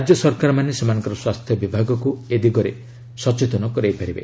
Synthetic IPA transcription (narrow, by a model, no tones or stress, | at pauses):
ad͡ʒjɔsɔɾkaɾɔmanesemanɔ̃ŋkɔɾɔswast̪ʰjɔbibʱaɡɔkued̪iɡɔɾe | sɔt͡ʃet̪ɔnɔkɔɾajpaɾibḛ